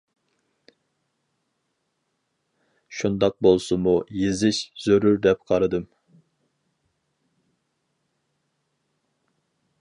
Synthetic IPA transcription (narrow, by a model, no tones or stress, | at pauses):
ʃund̪ɑq̚bolˠsɨmujezɪʃz̥øɾyɾd̪ɛp̚qʰɑɾɨd̪ɨm